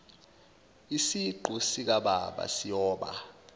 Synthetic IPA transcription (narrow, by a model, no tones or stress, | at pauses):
isiɡ͡ǃʱusik̬aɓaɓa̰sijɔːɓa̰